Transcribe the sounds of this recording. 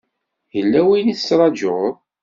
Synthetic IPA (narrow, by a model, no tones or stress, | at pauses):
jəlːæwiniθə̥sɾˤɑd͡ʒʊʁðˤ